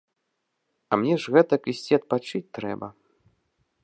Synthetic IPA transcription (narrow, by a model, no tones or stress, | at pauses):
ɐ̰mnʲɛʐɣɛt̪ɐkisʲt͡sʲiɐt̪̚pat͡ʂɨt͡sʲt̪ɾɛ̰bɐ